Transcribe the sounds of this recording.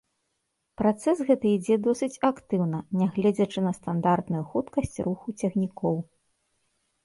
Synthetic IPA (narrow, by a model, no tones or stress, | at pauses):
pɾat̪sɛsɣɛt̪ɨid͡zʲɛd̪ɔsɨt͡sʲakt̪ɨwnɐnʲaɣlʲɛd͡zʲɐt͡ʂɨnɐst̪and̪art̪nujuxut̪kɐsʲt͡sʲruxut͡sʲɛxnʲikɔw